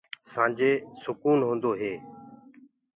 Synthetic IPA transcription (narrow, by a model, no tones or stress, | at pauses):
sãːd͡ʒeːsʊkuːnɦõːnd̪oːɦeː